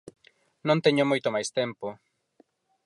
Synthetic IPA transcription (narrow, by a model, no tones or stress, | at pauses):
nõnt̪eɲomojt̪omajst̪empo